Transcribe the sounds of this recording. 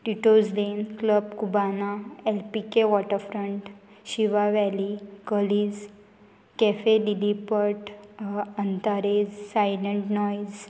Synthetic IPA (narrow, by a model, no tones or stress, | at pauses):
ʈiʈod͡zd̪enkləb̚kubanaelpikeʋɔʈəɾfɾəɳʈ | ɕiʋaʋɛlikəliːd͡z | kɛfeɖilipəɾʈ | ənt̪aɾed͡zsajləɳʈnɔjd͡z